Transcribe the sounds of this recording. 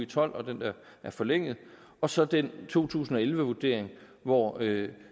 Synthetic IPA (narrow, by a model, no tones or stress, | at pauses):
it͡sʰɒ̽l̰ɒ̽d̥end̥æɐ | æɐfɒ̽leŋ̰ð̩ˠ | ɒ̽sɒ̽d̥ent͡sʰo̝̰ːt͡sʰṵːsn̩ɒ̽elʋəʋud̥e̝ɐ̰e̝ŋ | ʋɒø